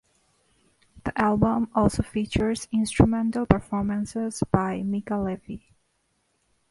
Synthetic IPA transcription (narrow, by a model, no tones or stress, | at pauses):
ðiʔælˠbə̃mɔlˠsofit͡ʃə˞zɪ̃nstɹumɛ̃ntəlˠpə˞fɔɹmə̃nsɪzb̥aɪmikəlɛvi